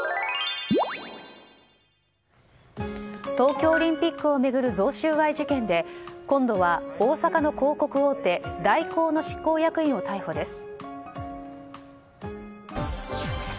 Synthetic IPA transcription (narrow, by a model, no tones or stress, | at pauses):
t̪o̞ːkʲo̞ːɾʲĩmpʲikːɯ̟o̞me̞ɡɯ̟ɾɯ̟zo̞ːɕɨːβaiʑikẽ̞nd̪e̞kõ̞nd̪o̞βaoːsakano̞ko̞ːko̞kɯ̟oːt̪e̞d̪aiko̞ːno̞ɕi̥kːo̞ːjakɯ̟ĩɰ̃o̞t̪aiho̞d̪e̞sɨ̥